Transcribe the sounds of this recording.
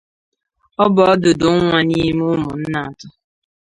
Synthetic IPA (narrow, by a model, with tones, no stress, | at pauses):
ɔ˦bɔ˨ɔ˦dʊ˨dʊ˨˦ŋʷa˦ni˦mʊ˦mʊ˨n̩˦na˨a˨tʊ˦